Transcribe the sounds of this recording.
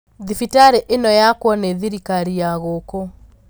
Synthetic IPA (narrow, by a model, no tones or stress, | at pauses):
ðifitaɾeʔenɔjakwɔneðiɾikaɾijaɣoːko